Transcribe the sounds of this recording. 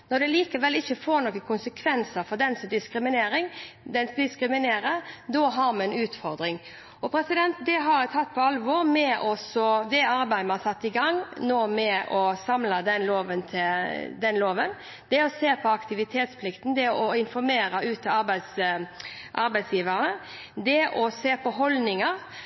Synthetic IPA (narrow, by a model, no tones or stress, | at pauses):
nɔɾd̪ɛliːkəʋɛlːɪçːəfoːɾnɔkəkʰʊnsəkʰʋɛnsəɾfɔɾd̪ɛnsd̪ɪskɾɪmɪneːɾɪŋd̪ɛnsd̪ɪskɾɪmɪneːɾəɾd̪ɔːɦɑɾmɛɛnʉːt̪fɔɾd̪ɾɪŋ | ɔpʰɾɛsɪd̪ɛnt̪̚d̪ɛɦɑɾt̪ʰɑt̪ːpʰɔɑlʋɔɾmɛʔɔsɔd̪ɛɑɾbæɪd̪mɑnsɑt̪ːɪɡɑŋnoːmɛʔɔsɑmlɑd̪ɛnloːʋənt̪ʰɪd̪ɛnloːʋən | d̪̥ɛɔseːpʰɔɑkt̪ɪʋɪt̪ʰeːt̪spʰlɪkt̪n̩d̪ɛɔɪnfɔɾmeːɾɑʉːt̪ʰːɑɑɾbæɪs | ʔɑ̰ɾbæɪsjiːʋəɾnə | d̪ɛʔɔseːpʰɔɦɔlnɪŋəɾ